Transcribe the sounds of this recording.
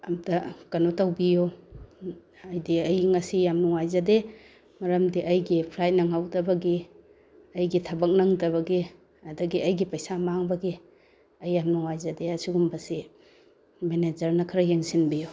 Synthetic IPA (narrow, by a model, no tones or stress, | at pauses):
ɐmdɐkɐnotawbijo | ɐjdiɐjŋɐsijamnuŋajzade | mɐɾɐmdiʔɐjɡipʰlajt̚nɐŋawdɐbɐɡi | ɐjɡitʰɐbɐk̚nɐŋdɐβɐɡi | ɐdɐɡiɐjɡipɐjsamaŋbɐɡi | ɐjːamnuŋajzɐdeɐsiɡumbɐsi | mened͡ʒɐɾnɐkʰaɾɐjeŋsinbijo